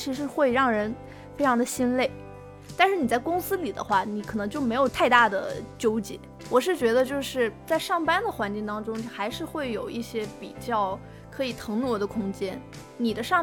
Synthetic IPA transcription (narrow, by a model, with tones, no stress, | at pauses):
t͡ɕʰi˧˥ʂɻ̩˧˥xwe˥˧ɪɻɑ˥˩ŋɻə˧˥n | fe˥ɪʈ͡ʂʰɑ˧˥ŋd̪ə˧ɕi˥nle˥˩ɪ | t̪a˥˧nʂɻ̩˥˩ni˨˩t͡sa˥˩ɪkʊ˥ŋsɹ̩˥li˨˩d̪ə̰˦xwa˥˩ni˨˧˥kʰɤ˨˩nɤ˧˥ŋt͡ɕo˥˩ʊme˧˥ɪjo˨˩ʊt̪ʰa˥˧ɪt̪a˥˩d̪ə̰˩t͡ɕjo˥ʊt͡ɕḭ˧˥˦ | wɔ˨˩ʂɻ̩˥˩t͡ɕɥɛ˧˥d̪ə˧t͡ɕjo˥˧ʊʂɻ̩˥˧t͡sa˥˧ɪʂɑ˥˩ŋpa˥nd̪ə˨xwa˧˥nt͡ɕi˥˩ŋt̪ɑ˥ŋʈ͡ʂʊ˥ŋxa˧˥ɪʂɻ̩˥˧xwe˥˩ɪjo˨˩ʊʔi˥˩ɕjɛ˥pi˨˩t͡ɕjɑ˥˩ʊ | kʰɤ˧˥i˨˩t̪ʰɤ˧˥ŋnwɔ˧˥d̪ə˧kʰʊ˥ŋt͡ɕjɛ˥n | ni˨˩d̪ə˦ʂɑ˥˧ŋ